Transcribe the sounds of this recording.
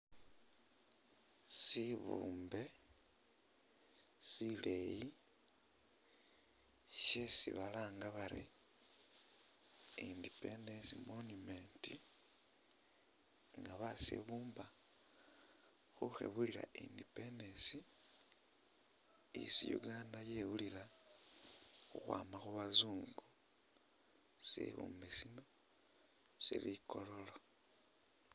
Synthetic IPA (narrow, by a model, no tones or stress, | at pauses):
siβṵːmbe̞ | sileji | ʃesḭβalaːŋɡaβaɾḛ | indipendesimonume̞nti | ŋɡaβasḛβuːmba | xuxḛβuliɾa̰ʔindipendesi | ḭsijṵɡandajewulila | xuxwa̰ːmaxuβazuːŋɡu | sḛβṵːmbesino̞ | sḭlikʰo̞lo̞lo